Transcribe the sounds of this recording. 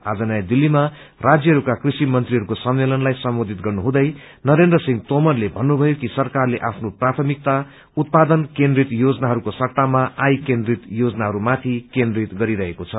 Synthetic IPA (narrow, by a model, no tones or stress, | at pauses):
ad͡zʌnajd̪ilːima | rad͡zjʌɦʌɾukakrisimʌnt̪riɦʌɾukosʌmːelʌnlajsʌmbod̪ʱit̪ɡʌrnuɦũd̪ʌj | nʌɾend̪rʌsiŋɡt̪omʌrlebʱʌnːubʱʌjokisʌrkarleʔapʰnoprat̪ʰʌmik̚t̪a | ut̪̚pad̪ʌnkẽnd̪rit̪jod͡zʌnaɦʌɾukosʌkt̪amaajkend̪rit̪jod͡zʌnaɦʌɾumat̪ʰikend̪rit̪ɡʌɾiɾʌɦekot͡sʰʌ